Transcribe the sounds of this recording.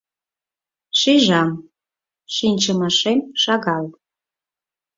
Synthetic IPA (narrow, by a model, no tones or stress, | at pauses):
ʃiʒɑm | ʃinʲt͡ɕəmɑʃemʃɑɣɑl